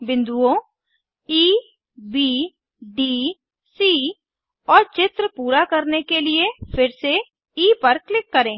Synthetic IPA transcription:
bɪ̃nd̪uõ | iː | biː | ɖiː | siː | ɔːɾt͡ʃɪt̪ɾəpuːɾakɐɾnekeliefʰɪɾse | iːpɐɾklɪkːɐɾẽː

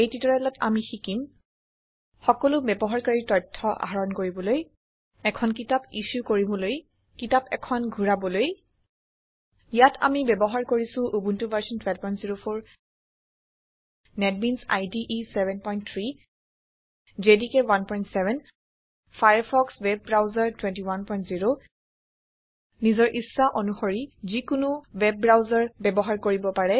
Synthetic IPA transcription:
ejtitɔɹɛlɔtʰa̰mixikim | xɔkɔlʊbɛbɔɦaɹkaɹitɔtʰːɔʔa̰ɦaɹɔnkoɹibɔloj | ɛkʰɔnk̬itapisukoɹibɔloj | kitapɛ̰kʰɔnɡʱuɹabɔloj | ijatʰa̰mibɛbɔɦaɹkoɹisʊ̃ʔubuntubaɹsɔntwɛlpɔjntziɹopʰoɹ | nɛt̚minsa̰jdiʔisɛvɛnpɔjnt̪ʰɹi | d͡ʒedikɛwanpɔjntsɛvɛn | fʰajəɹpʰɔkswɛb̚ːɹawzaɹtwɛ̃ntiwanpɔj̃ntziɹo | nizɔɹʔisːaʔɔnuxoɹizikʊnuwɛb̚ːɹawzaɹbɛbɔɦaɹkoɹibɔpaɹɛ

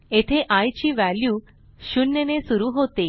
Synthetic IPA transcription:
et̪ʰeʔajt͡ɕiʋælju | ʃunjənesuɾuɦot̪e

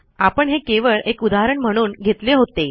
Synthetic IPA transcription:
apəɳɦekeʋəɭʔekud̪aɾəɳm̤əɽ̃uːnɡʱet̪leɦot̪e

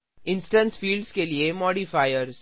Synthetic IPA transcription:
ɪ̃nsʈə̃nsfiːlɖskeliemɔːɽifaːɪjəɾz

